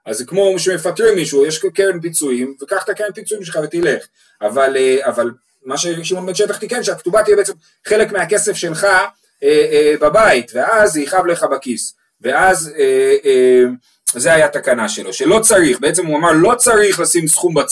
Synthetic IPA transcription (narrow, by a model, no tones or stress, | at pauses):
azkmo̞ʃemefat̪ʁimːiʃujeʃkeʁempit͡suimvekaχt̪akeʁenpit͡suimʃelχave̞t̪ileχ | avaleaval | maʃeʃimonbenʃet̪aχt̪ike̞nʃeakt̪ubat̪ibeet͡sem | χe̞le̞kmeake̞se̞fʃe̞lχa | ebabait̪ve̞aziχavle̞χabakis | ve̞azee | zeajat̪akanaʃeloʃelo̞t͡saʁiχbe̞et͡se̞muamaʁlo̞t͡saʁiχlasimsχumba